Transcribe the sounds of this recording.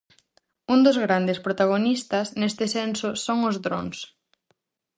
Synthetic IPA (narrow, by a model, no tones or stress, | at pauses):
und̪ozɣɾand̪espɾot̪aɣ̞onist̪ɐsnest̪ɪsensʊsoŋozðɾo̰ŋs